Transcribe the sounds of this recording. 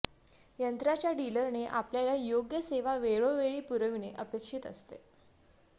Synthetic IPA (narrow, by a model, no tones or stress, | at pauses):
jənt̪ɾat͡ɕjaɖiləɾneʔapljaljajoɡjəseʋaʋeɭoʋeɭiːpuɾəʋineʔəpekʂiːt̪ə̰st̪ḛ